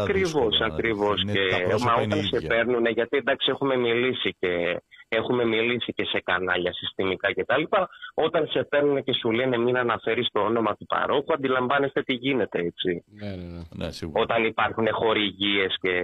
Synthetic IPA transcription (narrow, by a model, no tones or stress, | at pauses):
ɐkɾivo̞sɐkɾivo̞scemɐo̞t̪ɐnse̞pe̞ɾnuneʝɐt̪iend̪ɐksie̞xume̞milisicee̞xume̞milisice̞se̞kɐnɐʎɐsist̪imikɐce̞t̪ɐlipɐo̞t̪ɐnse̞pe̞ɾnune̞ce̞sulene̞minɐnɐfe̞ɾist̪oo̞no̞mɐt̪upɐ̰ɾo̞xuɐnd̪ilɐɱvɐne̞st̪e̞t̪iʝine̞t̪e̞et͡si | o̞t̪ɐnipɐɾxune̞xo̞ɾiʝie̞sce̞